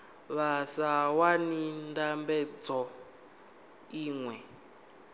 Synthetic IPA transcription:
βasawanindambɛd͡zɔ | iːŋwɛ

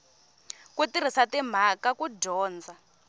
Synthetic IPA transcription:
kutiɾ̤isatim̤akakuɟɔːnd͡zʱa

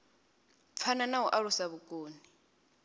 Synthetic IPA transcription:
p̪fʰananauʔaɺusaβukʼoːni

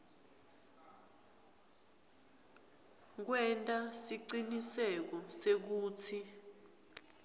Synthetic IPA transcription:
k̬wɛntʼasiǀinisɛk̬ɔsek̬uːt͡sʰi

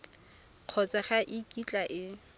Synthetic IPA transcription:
q͡χʰɔt͡sʼaχaʔikʼit͡ɬʼaʔɪ

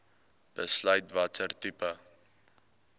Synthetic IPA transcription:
b̥əslœɥtvɐtərtypə

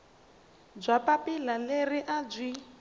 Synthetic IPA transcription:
b͡ʐʷapapilaleriʔad͡zʷi

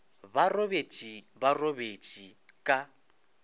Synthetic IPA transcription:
barobet͡ʃʼibarobet͡ʃʼikʼa

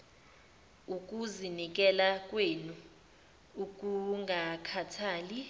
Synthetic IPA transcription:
uk̬ʼuzinik̬ʼɛlak̬ʼwenu | ukʼuŋakʰatʰaːli

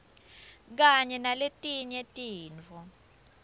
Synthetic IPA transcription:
k̬aɲɛnaletʼiɲɛtʼiːnt͡fɔ

